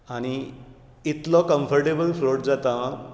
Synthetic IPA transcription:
aɽ̃i | it̪lɔkəmfəɾʈebəlfɾoʈd͡zat̪ã

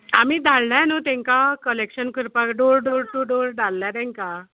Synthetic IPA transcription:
amiːd̪ʱaɭlanot̪ẽŋkakəlekɕənkəɾpakɖoɾɖoɾʈuɖoɾɖalːjaɾɛ̃ŋka

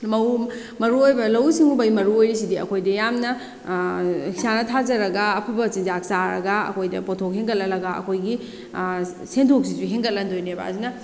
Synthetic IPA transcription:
mɐw | mɐɾuojbɐlɐwsiŋubɐjmɐɾuojɾisidiɐ̰kʰojdɐjamnɐ | hisanɐtʰazɐɾɐɡɐːpʰɯbɐt͡ʃind͡ʒaksaɾɐ̰ɡɐɐ̰kʰojdɐ̰potʰok̚ɦeŋɡɐt̚lɐlɐɡɐɐ̰kʰojɡi | sentʰok̚siziɦeŋɡɐt̚lɐndojnebɐ̰ɐzinɐ

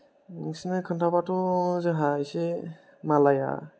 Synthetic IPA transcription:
musinekʰɯntʰapatɔzɯɦajse | malaja̰

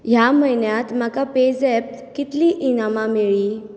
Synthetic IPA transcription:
jaməjnjat̪makaped͡zɛp̚kit̪liːʔinamameɭiː

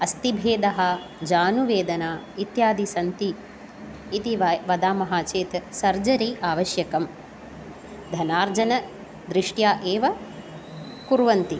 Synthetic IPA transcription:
ɐst̪ibʱeːd̪ɐɦɐ̆ | d͡ʒaːnuʋeːd̪ɐnaː | it̪jaːd̪isɐnt̪iː | t̪iʋʋɐd̪aːmɐɦaːt͡ʃeːt̪sɐɾd͡ʒɐɾiːʔaːʋɐʃjɐkɐm | d̪ʱɐnaːɾd͡ʒɐnɐ | d̪ɾiʂʈjaːʔeːʋɐ | kuɾʋɐnt̪i

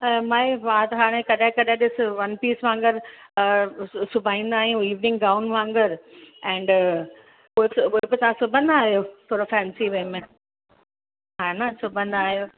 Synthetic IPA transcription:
maːeʋaːt̪ɦaːɽ̃ẽkɐɗɪ̃kɐɗẽɗɪsɪʋɐnpiːsʋãːŋɡəɾ | sʊbʱaːĩːn̆d̪aːɦijũiːʋnɪ̃ŋɡɡaːʊnʋãːŋɡəɾɛ̃ːɳɖ | ʊɦeuɦebɪt̪ɐʋ̤ãsʊbʱə̃nd̪aːɦijot̪ʰoːɾofɛːnsiʋẽmẽ | ɦaːnasʊbʱə̃nd̪aːɦijoː

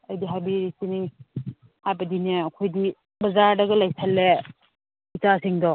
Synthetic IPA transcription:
ɐjdiɦajbiɾisini | hajbɐdineɐkʰojdi | bɐzaɾdɐɡɐlɐjsʰɐlːe | itasiŋdɔ

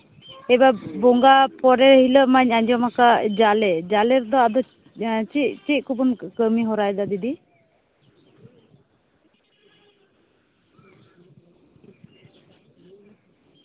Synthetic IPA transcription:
ɛbabɔŋɡapɔɾɛɾhiləʔmaɲaɲd͡ʒɔmakad͡ʒalɛd͡ʒalɛɾd̪ɔad̪ɔ | t͡ʃiʔ̚t͡ʃiʔ̚kubunkəmiɦɔɾajd̪ad̪id̪i

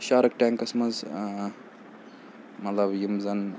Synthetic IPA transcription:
ʃaːɾɐk̚ʈaŋkɐsmɐz | mɐt̪lɐbjimzɐn

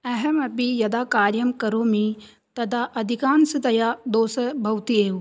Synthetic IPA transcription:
ɛɦɛmɐbijɐd̪akaːɾjɐmkɐɾoːmĩ | t̪ɐd̪ʱaʔɐd̪ʱikaːnsɨd̪ɐjad̪oːsəbʱɐwt̪ieːu

